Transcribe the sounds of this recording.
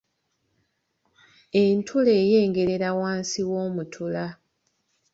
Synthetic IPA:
e̞ntʰule̞ːje̞ːŋɡe̞ɾe̞ɾawaːnsiwo̞ːmutʰula

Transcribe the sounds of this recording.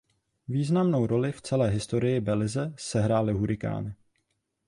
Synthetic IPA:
viːznamno̞wɾo̞lɪft͡sɛlɛːɦɪst̪o̞ɾɪjɪbɛlɪzɛsɛɦɾaːlɪɦuɾɪka̰ːnɪ

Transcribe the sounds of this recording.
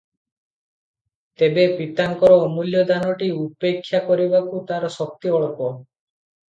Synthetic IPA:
t̪ebepit̪aŋkɔɾɔmuljɔd̪anɔʈiupekʰːjakɔɾibakut̪aɾɔsɔk̚t̪iɔɭɔkɔ

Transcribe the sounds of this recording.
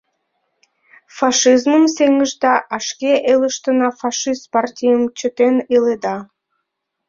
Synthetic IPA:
fɑʃizməmseŋəʒd̪ɑʔɑʃkʲeʔeləʃt̪ənɑfɑʂist̪̚pɑrtʲijəmt͡ɕə̆t̪eniled̪ɑ

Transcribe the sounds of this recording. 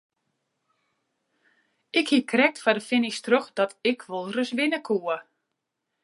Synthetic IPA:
ʔɪkhikrɛk̚tfadəfɪnɪstroxd̥ɔtɪkʰʋolˠrəsʋɪnəkʰuə

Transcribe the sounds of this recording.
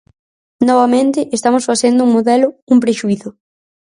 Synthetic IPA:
nɔβamẽnt̪ɪʔest̪amʊsfaθend̪ʊuŋmoðɛlʊumpɾeʃuiθʊ

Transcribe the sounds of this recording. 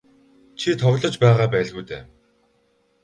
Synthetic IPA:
t͡ɕʰit̪ʰɔɣɮɞ̆t͡ɕpæːʁaːpæːɮɣujt̪æ̰ː

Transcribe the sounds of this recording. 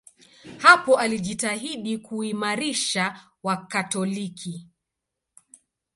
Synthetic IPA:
hapɔʔaliʄitaɦiɗikuimaɾiʃa | wakatɔlikʰi

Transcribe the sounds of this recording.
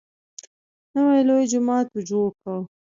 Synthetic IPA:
nəwajlojd͡ʒʊmɑːt̪wud͡ʒokaw

